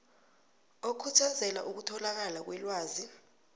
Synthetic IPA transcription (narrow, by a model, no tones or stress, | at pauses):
okʰutʰazɛla̰ʔuk̬utʰɔlak̬alak̬wɛlwaːzi